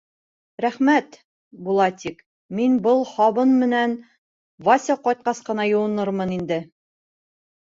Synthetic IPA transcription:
ɾæχmæt̪ | bulˠɑt̪ʲik | minbɤlˠχɒβɤnmɘ̆næn | vɑsʲɑqɒjt̪̚qɑsqɤ̆nɑjŭwɤ̆nɤɾmɤnind̪ɘ

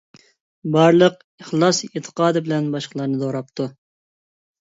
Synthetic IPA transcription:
bɑɾlˠəq | əχlˠɑset̪ʰə̥qɑːd̪ɨbɪlɛnbɑʃqəlˠɑɾnɨd̪oɾɑp̚t̪ʰu

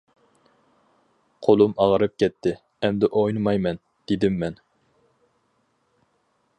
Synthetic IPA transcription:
qʰolˠumɑʁəɾɨp̚kʲʰɛt̪ʰːɪ | ɛmd̪ɛʔojnɨmɑjmɛn | d̪̥ed̪ɪmːɛn

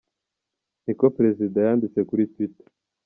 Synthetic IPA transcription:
niko̞pɾe̞zidajaːndit͡se̞kuɾitwite̥

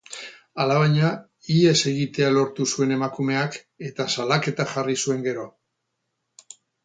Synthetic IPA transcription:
alaβaɲa | ie̞se̞ɣit̪e̞alo̞ɾt̪usue̞ne̞makume̞ak | e̞t̪asalake̞t̪aʝarisue̞ŋɡe̞ɾo̞

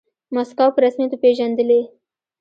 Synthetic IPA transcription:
maskawpəɾasmjat̪opeʒand̪əle

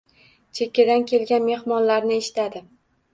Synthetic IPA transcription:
t͡ʃʰekʲːad̪ankʲʰe̞lɡʲanme̞hmɒnlaɾnɪeʃɪ̥t̪ʰad̪ɪ

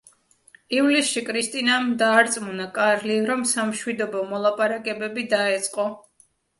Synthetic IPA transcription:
ivlisʃikʼʰɾist̪ʼinamd̪aːɾt̪sʼmunakʼaɾliɾɔmsamʃwid̪ɔbɔmɔlˠapʼaɾakʼɛbɛbid̪aɛt̪sʼqʼɔ

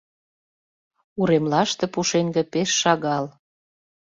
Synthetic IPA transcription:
uɾemlɑʃt̪ĕpuʃeŋɡĕpeʃːɑɣɑl

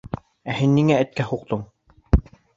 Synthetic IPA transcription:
æhinːiŋæɘ̆t̪̚kæhuqt̪oɴ

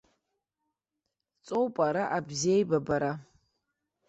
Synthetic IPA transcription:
t͡sʼowpʼaɾaʔabziejbabaɾa

